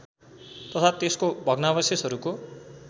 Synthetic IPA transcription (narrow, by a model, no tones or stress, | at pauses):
t̪ʌt̪ʰat̪eskobʱʌɡnabʌsesɦʌɾuko